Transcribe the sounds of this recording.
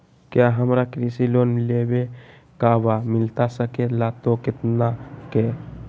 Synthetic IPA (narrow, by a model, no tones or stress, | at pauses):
kjaɦəmɾakɾisiloːnlebe | kabamɪlt̪asəkelat̪okɪt̪nake